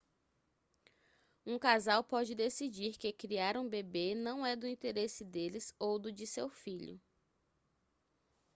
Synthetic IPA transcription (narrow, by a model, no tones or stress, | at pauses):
ũkazawpɔd͡ʒɪd̪esid͡ʒiɾkɪkɾiaɾũbebenɐ̃w̃ɛd̪ʊĩnt̪eɾesɪd̪elɪzowd̪ʊd͡ʒɪsewfiʎʊ̰